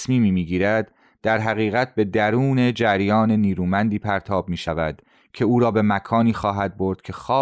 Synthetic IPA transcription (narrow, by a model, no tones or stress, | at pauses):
smiːmiːmiːɟiːɾæd̪ː | æɾɦæɣiːɣæt̪̚be̞d̪æɾuːne̞d͡ʒæɾjɒːne̞niːɾuːmænd̪iːpʰæɾt̪ʰɒːb̚miːʃævæ̰d̪̥ | cʰe̞uːɾɒːbe̞mækʰɒːniːxɒːɦæd̪̚bo̞ɾd̪̥kcʰe̞xɒː